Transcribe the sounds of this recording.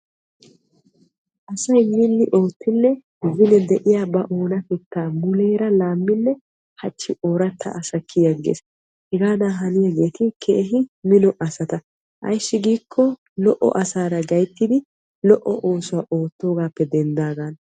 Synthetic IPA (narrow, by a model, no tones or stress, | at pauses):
ʔɐsɐjmɪnːɪʔo̞ːt̪ʰːɪnːɛ | ɪzɪnɛd̪ɛʔɪjaːbɐʔoːnɐfɛt̪ːaːmʊleːɾɐlaːmːɪnːɛ | hɐt͡ʃːɪʔoːɾɐt̪ʰːɐ̰ʔɐsɐkʰːɪjɐɡḛːs | hɛɡaːd̪aːɦɐnɪjɐɡe̞ːt̪ɪkʰɛʔɦɪmɪnɔʔɐsɐt̪ɐ | ʔɐ̰jʃːɪɡiːkʰːɔ | lɔʔɔ̰ʔɐsaːɾɐɡɐjt̪ːɪd̪ɪ | lɔʔɔʔo̞ːsʊwaʔo̞ːt̪ːo̞ːɡaːpːɛd̪ɛnd̪aːɡan